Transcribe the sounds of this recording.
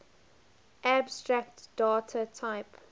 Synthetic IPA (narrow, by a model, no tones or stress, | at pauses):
ʔæbstɹak̚td̥aːtʰətʰaɪp